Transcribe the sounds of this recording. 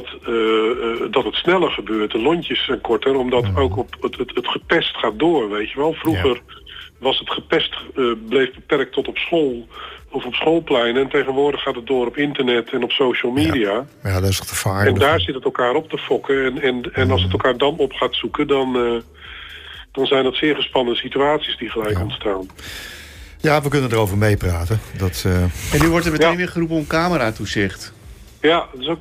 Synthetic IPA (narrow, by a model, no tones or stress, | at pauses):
tədɔtətsnɛlˠərχəbøːrt̚dəlɔɲtjəsɛnkɔɹtərɔmdɔtowkɔpətətətχəpɛstχaːt̚doːrʋejtjəʋɛlˠfruɣərʋɔsətχəpɛstəblejvbəpɛrk̚tʰɔtɔpsoːlˠɔfɔpsχoːlˠplɛjnɛntejɣənʋʊːdəχaːtət̚dʊːɾɔpɪntərnɛtʰɛnɔpsowʃəlˠmiːdia | jaːdɔɪsχtəfaːɛnddaːɹzɪtətɛlˠkaːɾɔp̚təfɔkəɛnɛnɛnɑlˠsətɛlˠkaːɹdɑnɔpχaːtsukədɑn | d̥ɑnzɛjndətsɪːɹχəspɑndəsityaːtsisdiχəlɛjkɔntstaːn | jaʋəkʏnəndəːrowvəɹmejpraːtədɔtəɛnːyʋɔɹtɛɹmətejnʋɪːɹχərup̬ənɔpənkaːməɾaːtusɪχt | jatɪso